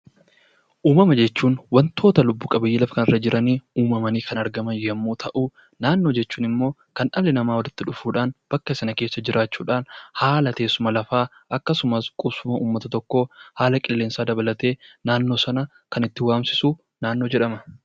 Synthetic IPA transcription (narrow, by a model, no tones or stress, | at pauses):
ʔuːmɐmɐd͡ʒɛt͡ʃːuːnwɐnt̪ʰo̞ːt̪ɐlʊbːuːkʼɐbɐjiːlɐfɐ̥kɐnɪrːɐd͡ʒɪɾʔɐniːuːmɐmɐniːkɐnɐɾɡɐmɐnjɐmːuːt̪ʰɐʔuː | naːnːo̞ːd͡ʒɛt͡ʃːuːnɪmːo̞ːkɐnʔɐlːɪnɐmaːwɔd̪ɪt̪ːɪᶑʊfuːᶑaːnb̥ɐkːɐɪsɐnɐke̞ːsːɐd͡ʒɪɾʔaːt͡ʃːuːᶑaːnhaːlɐt̪e̞ːsʊmɐlɐfaː | ʔɐkːɐsʊmɐskʼʊsʊmɐuːmːɐt̪ɐt̪ɔkːo̞ːhaːlɐkʼɪlːeːnsaːd̪ɐbɐlɐt̪e̞ːnaːnːo̞ːsɐnɐ | kɐnɪt̪ːɪwaːmsɪsuː | naːnːo̞ːd͡ʒɛᶑɐmɐ